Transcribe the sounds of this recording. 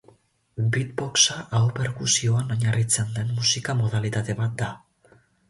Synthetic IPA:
bit̪bo̞ksaʔawpe̞ɾkusio̞anoɲarit͡se̞nd̪e̞nːusikamo̞ð̞alit̪at̪e̞βat̪̚d̪a

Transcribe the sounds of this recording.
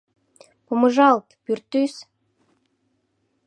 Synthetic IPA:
poməʒɑlt̪pyrt̪ːys

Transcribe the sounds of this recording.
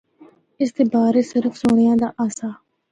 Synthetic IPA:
ɪst̪eːbaːɾeːsɪɾəfsoːɳ̃ɪjãːd̪aːʔaːsaː

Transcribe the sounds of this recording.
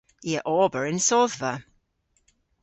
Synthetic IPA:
iəʔɔːbəɹɪnsɔðvə

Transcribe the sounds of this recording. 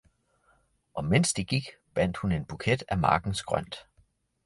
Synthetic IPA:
ʔɒ̽men̰sd̥iɡ̥iɡ̥b̥æn̰d̥hune̝nb̥ukʰed̥æmɑ̈ːɡ̥n̩sɡ̥ʁɶ̰n̰d̥

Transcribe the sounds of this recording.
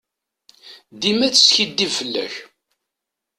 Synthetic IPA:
d̪imæt͡sːə̥sçid̪ːivfəlːæ̰ç

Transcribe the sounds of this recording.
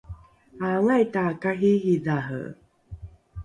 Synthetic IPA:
awajtakaɦiɦiðaɦə̰

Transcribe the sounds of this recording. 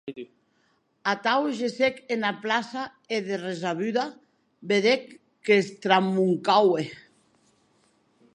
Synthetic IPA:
at̪awʒesekenaplasa | eðerezaβyða | beðekː | est̪ɾamːuŋkawe

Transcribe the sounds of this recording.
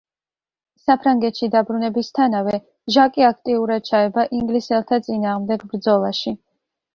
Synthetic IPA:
sapʰɾaŋɡɛt̪ʃid̪abɾunɛbist̪ʰanavɛ | ʒakʼiakʰt̪ʼiuɾad̪̥̚t͡ʃʰaɛbaʔiŋɡlisɛlˠt̪ʰat̪sʼinaːʁmd̪ɛɡbɾd̪zɔlˠaʃi

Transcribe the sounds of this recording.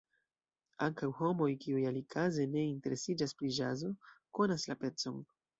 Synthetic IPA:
aŋkawho̞mo̞jkiujalikʰaze̞ne̞inte̞ɾe̞sid͡ʒaspɾid͡ʒazo̞ko̞naslape̞t͡so̞n

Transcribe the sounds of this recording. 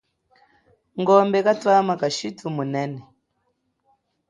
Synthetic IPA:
ŋɡɔmbɛkatwamakaʃitumunɛnɛ

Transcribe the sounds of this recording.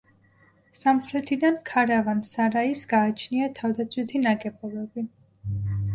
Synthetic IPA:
samχɾɛt̪ʰid̪ankʰaɾavansaɾaisɡaːt͡ʃʰniat̪ʰavd̪at̪sʰwit̪ʰinakʼɛpʼɔlɔbi

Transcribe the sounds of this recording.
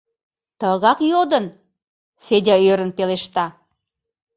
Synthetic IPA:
t̪əɣɑkjod̪ən | fedʲɑøɾənpeleʃt̪ɑ

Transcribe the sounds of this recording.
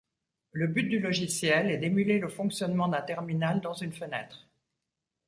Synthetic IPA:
ləbyt̪̚d̪ylɔʒisjɛlɛd̪emyleləfɔ̃ksjɔnmɑ̃d̪ɛ̃t̪ɛʁminald̪ɑ̃zynfənɛt̪χ

